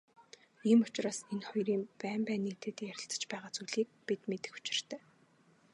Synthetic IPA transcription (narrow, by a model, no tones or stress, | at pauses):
iːmʊt͡ɕraːsenχɔjriːmpæːmpæːniːt̪ʰeːt̪iːjæɾʲɪ̆ɬt͡sə̥̆t͡ɕpæːʁaːt͡sujɮiːk̚pit̪met̪ɘ̆xu̥t͡ɕɪ̆r̥t̪ʰæː